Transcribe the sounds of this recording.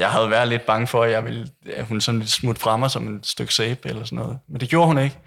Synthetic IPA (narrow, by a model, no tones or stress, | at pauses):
jɑ̈ɪɦæð̞ˠʋæɐ̰ðˠle̝d̥̚b̥ɑ̈ŋəfɒ̽æjɑ̈ɪʋelæhunsɒ̽n̩le̝d̥smud̥fʁɑ̈mɑ̈sɒ̽me̝dsd̥øɡ̥seːb̥elɐsɒnɔ̰̽ːðˠmend̥e̝ɡ̥jo̝ɐhune̝ɡ̥